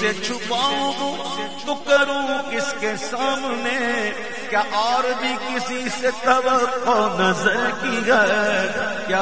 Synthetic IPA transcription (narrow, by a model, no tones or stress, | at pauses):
set͡ʃʰʊpaːõbũ | t̪ʊkəɾũkɪskesaːmne | kjaʔaːɾbʱikɪsiset̪ɐbəpɔnɐzəɾkiɡɐ | kjaː